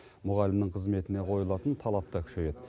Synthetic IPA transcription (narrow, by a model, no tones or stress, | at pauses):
mʊʁɑlɪmnəɴqʰəzme̞t̪ɪne̞qʰo̞jəlˠɑt̪ənt̪ʰɑlˠɑp̚t̪ɑkʲʰʏ̥ʃej̪e̞d̪ɪ